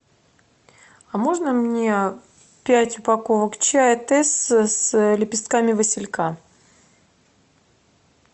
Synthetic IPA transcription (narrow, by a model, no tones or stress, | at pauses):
ɐmo̞ʐnəmnʲe | pʲætʲʊpɐkovəkt͡ɕæjət̪ɛsslʲɪpʲɪst̪̚kamʲɪvəsʲɪlʲka